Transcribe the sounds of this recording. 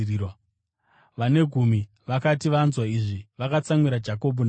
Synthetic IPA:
iwa | ʋane̞ɡʱumi | ʋakatiʋanzwaiʐiʋakat͡samwiɾad͡ʒako̞bʱuna

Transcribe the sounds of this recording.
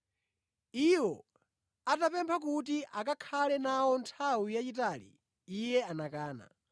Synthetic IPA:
iwɔ | atapɛmpʰakut̬iʔak̬akʰalɛnawɔntʰawujat͡ʃitalḭː | jɛanakaːna̰

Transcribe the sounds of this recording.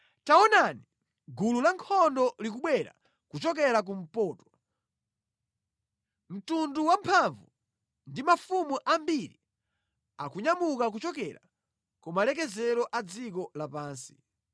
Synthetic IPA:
taɔnani | ɡululaŋkʰɔndɔlik̬uɓwɛɾa̰ | kut͡ʃɔk̬ɛɾak̬um̩pɔːtwa | m̩tunduwampʰaɱvu | ndimafumuʔambiɾi | a̰kuɲamukak̬ut͡ʃɔkɛɾa̰ | kumalɛk̬ɛzɛɾɔʔad͡zik̬ɔlapaːnsi̥

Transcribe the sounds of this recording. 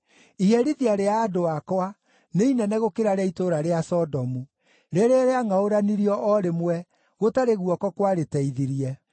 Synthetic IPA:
iɛɾiðiaɾeaːdoakɔa | neinɛnɛɣokeɾaɾɛitoɾaɾeasɔdɔmu | ɾeɾeɾeaŋaoɾaniɾiɔʔɔɾemwɛ | ɣotaɾeɣuwɔkɔkwaɾetɛiðiɾiɛ

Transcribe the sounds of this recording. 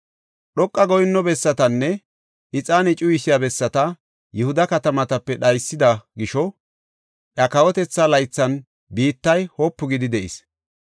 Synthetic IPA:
ɗɔkʼːɐɡɔjɪnːɔbɛsːɐt̪ɐnːɛ | ʔɪt͡sʼaːnɛt͡ʃʼʊjɪsɪjabɛsːɐt̪ɐ | jɛhʊd̪ɐkɐt̪ɐmɐt̪ɐpːɛɗɐjsːɪd̪ɐɡɪʃɔ | ʔjɐkɐwɔt̪ɛt͡sːalɐjt͡sːɐn | biːt̪ːɐjhoːpːʊɡɪd̪ɪd̪ɛʔɪ̰s

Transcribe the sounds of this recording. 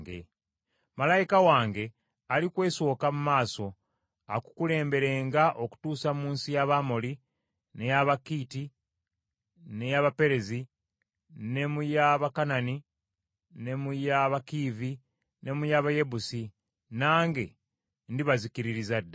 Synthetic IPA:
ɡḛ | malajikawaːŋɡe̞ | alikwe̞ːso̞ːkamumaːso̞ | a̰ku̥kule̞ːmbe̞ɾeːŋɡaʔo̞ku̥tuːsamuːnsijaβamoli | ne̞jaβakiːti | ne̞jaβape̞ɾe̞zi | ne̞mujaβakanani | ne̞mujaβakiːvi | ne̞mujaβaje̞busi | naːŋɡe̞ | ndiβazikiɾiɾizadːa

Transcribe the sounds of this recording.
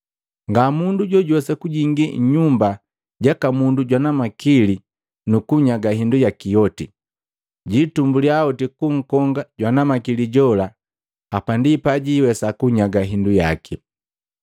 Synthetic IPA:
ŋɡamunduɟɔɟɔsɛkuɟiŋɡiɲumba | ɟakamunduɟwanamakili | nukuɲaɡaɦindujakijɔti | ɟitumbuliaɔtikuŋ̩kɔŋɡaɟwanamakiliɟɔla | apandipaɟiwɛsakuɲaɡaɦinduja̰ki

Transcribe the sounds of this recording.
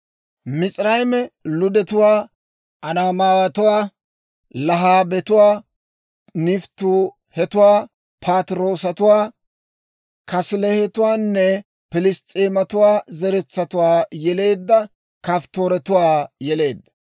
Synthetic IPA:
mɪt͡sʼɾɐjmɛlʊd̪ɛt̪ʊwaː | ʔɐnaːmaːwɐt̪ʊwaː | lɐɦaːbɛt̪ʊwaː | nɪft̪ːʊ | hɛt̪ʊwaː | pʰaːt̪ɪɾo̞ːsɐt̪ʊwaː | kɐslɛhɛt̪ʊwaːnːɛ | pɪlɪst̪ʼeːmɐt̪ʊwaːzɛɾɛt͡sːɐt̪ʊwaːjɛle̞ːd̪ːɐ | kaft̪oːɾɛt̪ʊwaːjɛle̞ːd̪ːɐ

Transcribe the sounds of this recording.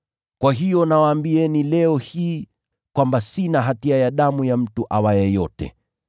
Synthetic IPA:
kwaɦijɔnawaːmbiɛnilɛɔhiː | kwambasinaɦatiajaɗamujam̩tuʔawajɛjɔtɛ̰

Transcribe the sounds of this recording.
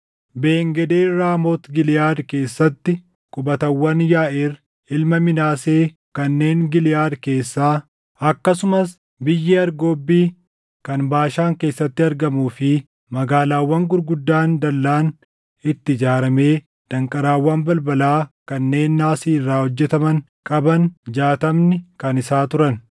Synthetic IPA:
be̞ːŋɡɛd̪eːɾaːmoːt̪ɡɪlɪjaːd̪ke̞ːsːɐt̪ːɪ | kʼʊbɐt̪ɐwːɐnjaːʔer | ɪlmɐmɪnaːse̞ː | kɐnːe̞ːŋɡɪlɪjaːd̪ke̞ːsːaː | ɐkːɐsʊmɐs | bɪjːɛɐɾɡo̞ːbːiː | kɐnbaːʃaːŋke̞ːsːɐt̪ːɪɐɾɡɐmuːfɪ | mɐɡaːlaːwːɐŋɡʊɾɡʊd̪ːaːnd̪ɐlːaːn | ɪt̪ːɪd͡ʒaːɾɐme̞ː | d̪̥ɐŋkʼɐɾaːwːaːnbɐlbɐlaːkɐnːe̞ːnːaːsiːrːaːhɔd͡ʒːɛt̪ɐmɐŋ | kʼɐbɐnd͡ʒaːt̪ɐmnɪkɐnɪsaːt̪ʊɾɐn

